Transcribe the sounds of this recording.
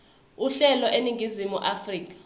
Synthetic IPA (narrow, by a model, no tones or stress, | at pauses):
uɬɛlɔʔeniŋɡʱizimuʔafriːk̬ʼḁ